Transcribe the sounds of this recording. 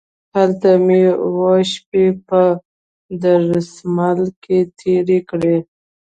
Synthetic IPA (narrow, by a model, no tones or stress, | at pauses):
halt̪amewaʃp̚epə | d̪aɾsmalket̪ʰeɾekɽe